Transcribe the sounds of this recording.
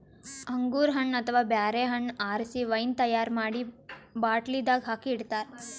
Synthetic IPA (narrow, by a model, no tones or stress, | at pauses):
ɐŋɡuːɾɦɐɳːɐt̪ʰʋaːbjaːɾeːɦɐɳaːɾsiʋɐjnt̪ɐjaːɾmaːɽibaːʈlid̪aːɡɦaːkiiɽt̪aːɾ